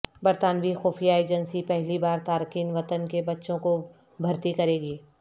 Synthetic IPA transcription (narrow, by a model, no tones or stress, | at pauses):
bɐɾt̪aːnʋixoːfʰijaeːd͡ʒənsipɛɦlibaːɾt̪aːɾkiːnʋɐt̪ənkebɐtːʃõko | bʱɐɾt̪ikɐɾeːɡiː